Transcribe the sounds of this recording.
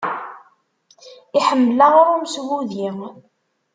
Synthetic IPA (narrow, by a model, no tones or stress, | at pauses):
iħəmːəlaʁʊɾumswuðji